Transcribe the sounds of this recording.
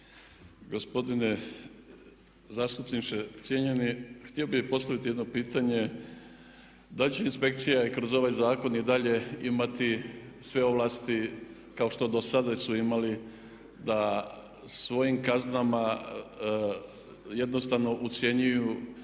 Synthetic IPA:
ɡo̞spo̞d̪ine | zaːst̪upnit͡ʃet̪sjeɲenixt̪io̞bixpo̞st̪aʋit̪ijd̪no̞piːt̪aɲe̞ | d̪alit͡ɕeinspe̞kt̪sijakɾozo̞ʋajzaːko̞nid̪aʎe̞imat̪isʋe̞o̞ʋlˠast̪i | kao̞ʃt̪o̞d̪o̞sad̪asuimali | d̪a | sʋo̞jimkaznama | je̞d̪no̞st̪aʋno̞ʔut̪sje̞ɲuju

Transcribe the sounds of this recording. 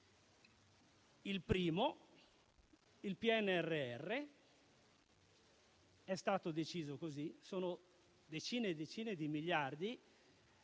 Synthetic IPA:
ilpɾiːmo | ilpiɛnːeɛrːeɛrːe | ɛst̪aːt̪od̪et͡ʃiːzokozisoːno | d̪et͡ʃiːned̪et͡ʃiːned̪imiʎːard̪i

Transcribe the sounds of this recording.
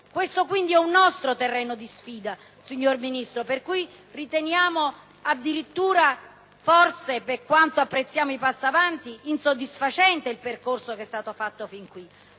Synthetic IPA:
kwest̪okwind̪iɛunːɔst̪ɾot̪erːɛːnod̪isfiːd̪a | siɲːorminist̪ɾoperkuj | rit̪enjaːmo | ad̪ːiɾit̪ːuːɾa | fɔrseperkwant̪oapːɾet̪sːjaːmoipasːiavant̪iːnsod̪ːisfat͡ʃɛnt̪eilperkorsokɛst̪aːt̪ofat̪ːofiŋkwi

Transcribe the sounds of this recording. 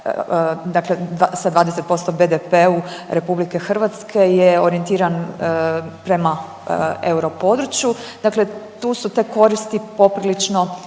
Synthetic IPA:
d̪akled̪asad̪ʋaːd̪eset̪po̞st̪o̞be̞d̪epeuɾe̞publikexr̩ʋat̪skʰe̞jeoɾie̞nt̪iːɾan | pɾe̞ma | euɾo̞po̞d̪ɾut͡ʃjud̪akle̞t̪uːsut̪eko̞ɾist̪ipo̞pɾilit͡ʃno̞

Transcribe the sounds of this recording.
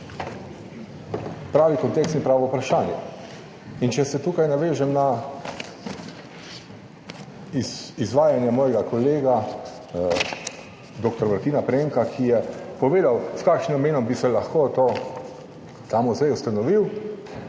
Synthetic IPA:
pɾaːʋikɔnt̪ekst̪inpɾaːʋɔupɾaʃaːnjɛ̰ | int͡ʃɛsɛt̪uːkajnaʋeːʒɛmna | izʋaːjanjamɔːjɛɡakɔleːɡa | d̪oːkt̪ɔɾmaɾt̪iːnapɾeŋkakʰijɛpɔʋeːd̪awskaːkʃnimmeːnɔmbisɛlaxkot̪oː | t̪aːmuzajust̪anɔʋiw

